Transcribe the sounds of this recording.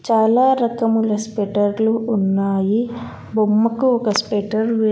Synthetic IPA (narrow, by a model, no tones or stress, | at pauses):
t͡ʃaːlaːɾɐkɐmulɐspeʈɐɾluunːaːji | bomːɐkuɔkɐspeʈɐɾʋe